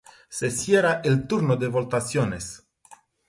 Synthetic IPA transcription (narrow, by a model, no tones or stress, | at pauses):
sesjeɾaʔelt̪uɾnod̪evolt̪asjones